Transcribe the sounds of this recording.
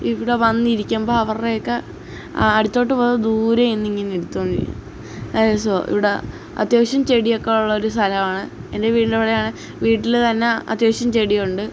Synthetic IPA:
iʋiɽe̞ʋɐnːiɾikʲːɐmbo̞ːɐʋɐrrejokːe | ɐɽit̪ːo̞ːʈ̬ːɨpoːðɐd̪uːɾɐenːiŋːinːiɽut̪ːoːniɾ̰ikʲːṵ | asoʔḭʋiɽe̞ | ɐ̰t̪jo̞ːɕjɐmt͡ɕe̞ɽijo̞kːeuɭːɐo̞ɾust̪ʰɐlɐmaːɳɨende̞ʋiːʈinɖeʋɽɐjaːɳɨ | ʋiːʈːilt̪ɐnːe̞ɐ̰t̪jo̞ːɕjɐmt͡ɕeɽijuɳɖɨ

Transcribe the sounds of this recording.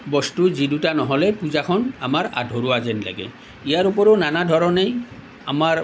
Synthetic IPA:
bɔstuzidutanɔɦɔlɛpuzakʰɔna̰maɹa̰dʱoɾuazɛnla̰ɡɛ̰ | ijaɾupɔɾonanadʱɔɹɔnej | amaɹ

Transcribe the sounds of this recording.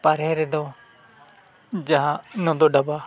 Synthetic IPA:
pəɾeɾed̪oː | d͡ʒaãnõːd̪oːɖəbaː

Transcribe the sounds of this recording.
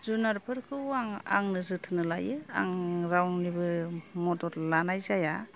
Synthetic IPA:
zunaɾpʰɯɾkʰɯaŋa̰ŋnɯzɯtʰɯnɯlajɯa̰ŋɾawnibɯmɔdɔɾlanajzaja

